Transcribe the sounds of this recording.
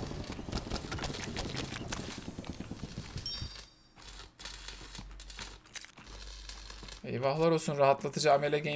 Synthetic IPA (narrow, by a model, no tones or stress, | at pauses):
ḛjvaxlˠaɾolˠsunɾaɦat̪lˠat̪ʰɯd͡ʒaːmelʲɛɡʲe